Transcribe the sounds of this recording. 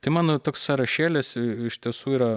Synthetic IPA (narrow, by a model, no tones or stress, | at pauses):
t̪ɐɪmɑːnoːt̪oːkssɐɾɐʃʲeːlʲɪsɪʃʲt̪ʲiɛsuːiːɾɐ